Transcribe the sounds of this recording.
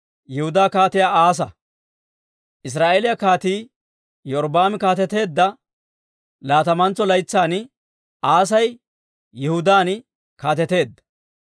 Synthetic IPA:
jɛhʊd̪aːkaːt̪ɪjaːaːs̬ɐ | ʔɪs̬ɾaːʔeːlɪjɐkaːt̪iː | jɔɾbaːmɪkaːt̪ɛt̪e̞ːd̪ːɐ | laːt̪ɐmɐnt͡sːɔlɐjt͡sːaːn | ʔaːs̬ɐj | jɪhʊd̪aːn | kaːt̪ɛt̪e̞ːd̪ːɐ̥

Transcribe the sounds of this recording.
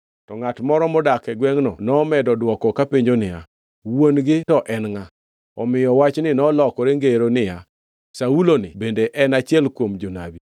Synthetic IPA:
tɔŋatmɔɾɔmɔdakɛɡwɛŋnɔ̰nɔmɛdɔdwɔkɔkapeɲd͡ʒonɪja̰ | wonɡɪtɔʔɛnŋa | ɔmɪjɔwat͡ʃnɪnɔlɔkɔɾeŋɡeɾonɪja | saulonɪbendeʔɛnat͡ʃɪɛlkwomd͡ʒona̰bi

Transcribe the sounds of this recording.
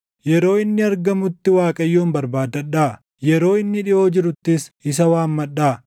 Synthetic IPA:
jɛɾo̞ːɪnːɪɐɾɡɐmʊt̪ːɪwaːkʼɐjːoːmbɐɾbaːd̪ɐᶑaː | jɛɾo̞ːɪnːɪᶑɪʔo̞ːd͡ʒɪɾʊt̪ːɪsɪs̬ɐwaːmːɐᶑaː

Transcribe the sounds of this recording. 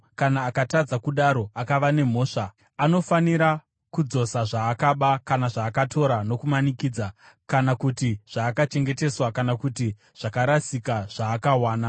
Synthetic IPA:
kanaːkatad͡zakuɗaɾo̞akaʋane̞mo̞ːʂa | ano̞faniɾa | kud͡zo̞saʐaːkaɓakanaʐaːkatʰo̞ɾano̞kumanikiːd͡za | kanakutiʐ̥aːkat͡ʃe̞ŋɡe̞te̞swakanakuti | ʐ̥akaɾasikaʐ̥aːkawaːna

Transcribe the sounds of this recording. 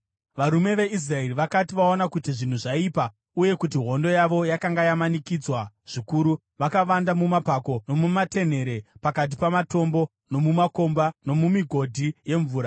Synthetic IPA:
ʋaɾume̞ʋe̞is̬rae̞riʋakatiʋaonakutiʐin̤uʐaipa | uje̞kutiɦo̞ndo̞jaʋo̞jakaŋɡajamanikid͡zwa | ʐ̥ikuɾu | ʋakaʋandamumapako̞no̞mumate̞n̤e̞ɾe̞pakat̬ipamato̞mbo̞ | no̞mumako̞mbano̞mumiɡʱo̞dʱije̞ɱvuːɾa

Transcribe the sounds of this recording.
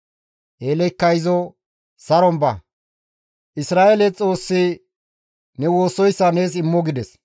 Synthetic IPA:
ʔeːlɛkːɐjzɔ | sɐɾɔmbɐ | ʔɪsɾaːʔelɛt͡sʼo̞ːsːɪ | nɛwoːsɔjsːɐne̞ːsɪmːɔɡɪd̪ɛs

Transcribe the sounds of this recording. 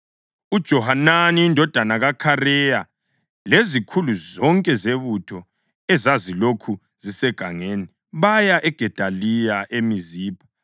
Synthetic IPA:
ud̥ʒ̥ʱɔhananiindʱɔd̥ʱanaɣakʰarɛja | lezikʰuluzɔŋkʼɛzeβutʰɔ | ɛzazilokʰu | z̥isɛɡ̥ʱaŋeni | βajaʔɛɡ̥ʱɛd̥ʱalijaʔemiziːpʰḁ

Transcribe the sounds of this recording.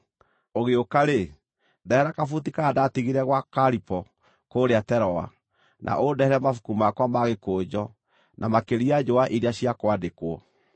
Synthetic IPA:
oɣeokaɾe | dɛhɛɾakafutikaːdatiɣiɾɛɣwakaɾipɔ | koːɾeatɛɾɔa̰ | nʔa̰ʔodɛhɛɾɛmafu̥kumakwamaɣekoːd͡ʒɔ | nʔamakeɾiad͡ʒoaʔiɾeaɕiakwadekwɔ

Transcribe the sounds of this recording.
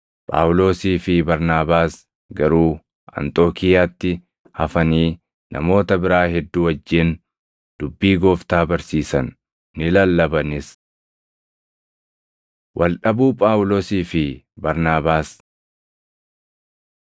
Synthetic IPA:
pʼa̰ːwlo̞ːsiːfɪbɐɾnaːbaːs | ɡɐɾuː | ɐ̰nt̪ʼo̞ːkʰɪjaːt̪ːɪ | hɐfɐniː | nʔɐ̰mo̞ːt̪ɐbɪɾaːɦɛd̪ːuːwɐd͡ʒːɪn | d̪̥ʊbːiːɡoːft̪aːbɐɾsiːsɐnː | ɪlɐlːɐbɐnɪs | wʔɐlᶑɐbuːpʼaːwlo̞ːsiːfɪ | bɐɾnaːbaːs

